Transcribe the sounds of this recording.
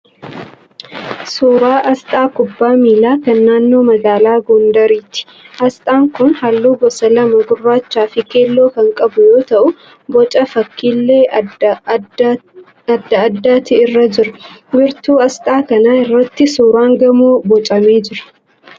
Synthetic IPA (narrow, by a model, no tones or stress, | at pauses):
suːɾaːʔɐst̪ʼaːkʊbːaːmiːlaːkɐnːaːnːo̞ːmɐɡaːlaːɡɔnd̪ɐɾiːt̪ɪ̥ | ʔɐst̪ʼaːŋkʊnhalːuːɡɔsɐlɐmɐɡʊrːaːt͡ʃːaːfɪke̞ːlːo̞ːkɐŋkʼɐbʊjo̞ːt̪ɐʔʊ | bɔt͡ʃʼɐfɐkːiːlːe̞ː | ɐd̪ːɐɐd̪ːaːt̪ɪːrːɐd͡ʒɪɾʊ̥mɪɾt̪uːɐst̪ʼaːkɐnaːɪrːɐt̪ːɪsuːɾaːŋɡɐmoːbɔt͡ʃʼɐme̞ːd͡ʒɪɾɐ̥